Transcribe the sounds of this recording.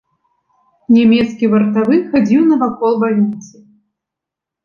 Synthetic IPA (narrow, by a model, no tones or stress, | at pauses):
nʲamʲɛt̪skʲivɐrt̪avɨxad͡zʲiwnɐvakɔlˠbalʲit̪sɨ